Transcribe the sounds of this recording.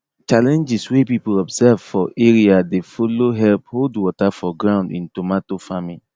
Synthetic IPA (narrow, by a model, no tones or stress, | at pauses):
t͡ʃalɛ̃nd͡ʒiswepipolɔbsɛvfɔʔeɹiadefoloɦɛlpholdwɔtafɔɡɹãʊ̃ndḭ̃ntomatofamin